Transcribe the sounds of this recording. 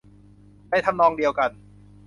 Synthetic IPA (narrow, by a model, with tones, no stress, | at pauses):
da˧˩jt̪ʰa˧mnɔː˧ŋdi˧əwka˧n